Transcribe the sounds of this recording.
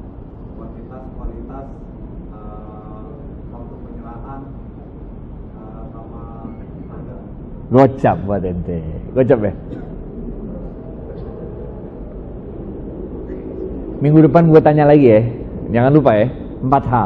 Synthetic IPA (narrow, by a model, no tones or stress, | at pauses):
kwalit̪askwalit̪as | ə | sat̪upəɲəɾaʔan | ə | sama | a | ɡot͡ʃap̚buat̪ɛnt̪eɡot͡ʃap̚bɛh | miŋɡudəpanɡuat̪aɲalaɡijɛd͡ʒaŋanlupajɛ | əmpat̪ɦa